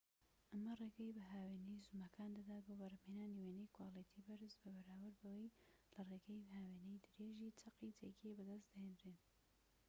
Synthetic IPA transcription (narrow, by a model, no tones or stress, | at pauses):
ʔɐmɐreɡɐjbɨɦaːwenejzumɐkʰaːnd̪ɐd̪aːt̪̚boːbɐɾmhenaːniwenejkwaːlit̪ʰibɐɾɨzbɐbɐɾaːwɨɾbɐwejlɐreːɡɐjbɦaːweːnejd̪ɨɾeːʒiːt͡sɐqit͡sʰḛkʰebɨd̪ɐst̪d̪ɐhend̪ɾen